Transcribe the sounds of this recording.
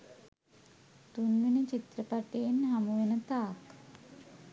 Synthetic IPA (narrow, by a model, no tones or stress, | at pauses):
t̪unʋenət͡ʃit̪rəpaʈeːnɦamuʋenət̪aːk